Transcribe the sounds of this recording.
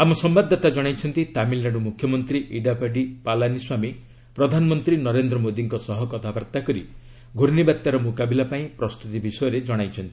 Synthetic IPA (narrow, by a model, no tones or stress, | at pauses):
amɔsɔmbad̪ʱːat̪ad͡ʒɔɽ̃ajt͡ʃʰɔnt̪it̪amilːaɖumukʰjɔmɔnt̪ɾiʔiɖapaɖipalaniswami | pɾɔd̪ʱanɔmɔnt̪ɾinɔɾend̪ɾɔmod̪iŋkɔsɔɦɔkɔt̪ʰabaɾt̪akɔɾḭ | ɡʱuɾnibat̪ːaɾɔmukabilapaĩpɾɔst̪ut̪ibisɔjɔɾed͡ʒɔɽ̃ajt͡ʃʰɔnt̪i